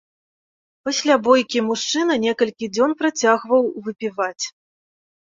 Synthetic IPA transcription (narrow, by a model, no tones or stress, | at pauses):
pasʲlʲabɔjkʲimuʂt͡ʂɨnɐnʲɛkɐlʲkʲid͡zʲɔnpɾat͡sʲaɣvɐwvɨpʲivat͡sʲ